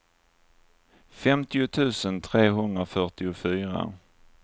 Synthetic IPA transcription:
fɛmt̪ɪʊt̪ʰʉ̟ːsənt̪ʰɾeːɦɵnd̪ɾafœʈɪʊfyːɾa̰

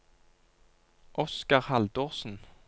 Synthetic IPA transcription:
ʔɔskɑʁhɑld̪oːʁsn̩

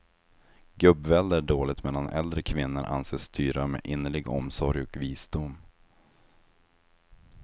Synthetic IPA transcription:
ɡɵbvɛld̪əɖoːlɪt̪mɛlːanʔɛ̰ld̪ɾəkʰvɪnːəɾʔa̰nseːst̪ʰyːɾamḛːʔɪnːəɭɪɡɔ̰msɔɾjɔkviːsd̪ʊmː

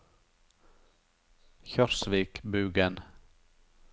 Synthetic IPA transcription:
çœɾsʋiːkbʉːɡən

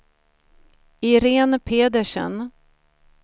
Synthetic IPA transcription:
ɪɾeːnpʰeːd̪əʂə̰n

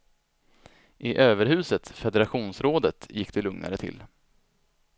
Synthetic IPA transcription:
ʔɪʔøːvəɾhʉ̟ːsət̪fɛd̪ɛɾaɧuːnsɾoːd̪ət̪jɪkːd̪̥ɛlɵŋnʔa̰ɾət̪ʰɪ̰lː

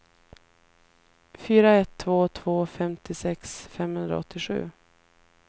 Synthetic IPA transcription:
fyːɾaɛt̪ʰːvoːt̪ʰv̥oːfɛmt̪ʰɪsɛksfɛmhɵnd̪ɾa̰ɔ̰t̪ʰːɪɧʉ̟̰ː

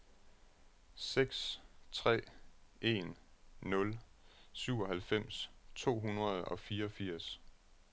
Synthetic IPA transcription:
seɡ̥st͡sʰʁɛ̰ːʔe̝nː | ɔ̽lsyʊ̰ɒ̽ɦælfem̰st͡sʰo̝̰ːɦunʁɐð̞ˠɒ̽fiːɐɒ̽fiɐ̰s

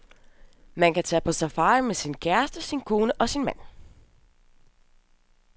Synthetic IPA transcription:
mænkæt͡sʰɛ̰ːpʰɒ̽sæfɑ̈ːɪmesinkʰæɐsd̥əsinkʰo̝ːnəʔɒ̽sinmæn̰

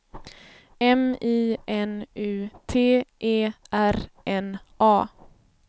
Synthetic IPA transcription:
ɛmiːʔɛnʉːt̪ʰeːʔeːʔæɾʔɛnʔɑː

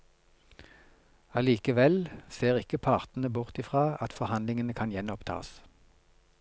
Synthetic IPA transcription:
ɑliːkəʋɛlseːʁɪkəpʰɑːʁt̪n̩əbʊʁt̪ɪfʁɑːɑt̪fɔʁhɑnd̪lɪŋənəkʰɑnjɛnɔpt̪ʰɑ̰ːs

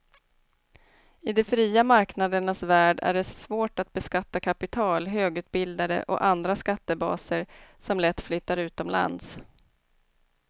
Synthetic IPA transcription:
ɪd̪ɛfɾiːamaɾknad̪əɳasvæːɖæ̰ɖɛsvoːʈat̪̚bɛskat̪ːakʰapɪt̪ʰɑːlɦøːɡʉ̟ːt̪̚bɪld̪ad̪ə̰ʔɔ̰ʔand̪ɾaskat̪ːəbɑ̰ːsəɾsɔmlɛt̪ːflʏt̪ːaɾʉ̟ːt̪ɔmla̰nd̪s

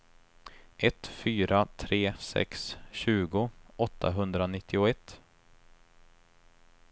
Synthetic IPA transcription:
ʔɛt̪fyːɾʔat̪ʰɾeːsɛ̰ksɕʉ̟ːɡʊɔt̪ʰːa̰ɦɵnd̪ɾanɪt̪ʰːɪʊɛt̪ː

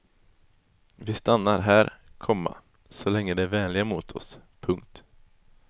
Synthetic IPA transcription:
vɪst̪anːaɾɦæːɾkʰɔmːa̰ | sɔlɛŋːəd̪ɛæɾvɛːnlɪɡamuːt̪ʰɔ̰spʰɵŋk̚t̪

